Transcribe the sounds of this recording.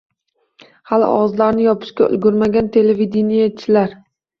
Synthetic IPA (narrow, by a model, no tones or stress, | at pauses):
halɪ̰ʔɒ̰ʁɑzlaɾnɪjɒpʰɪ̥ʃkʲaʊ̰lɡʲʊɾmaɡʲant̪ʰe̞levid̪enijat͡ʃʰːɪlaɾ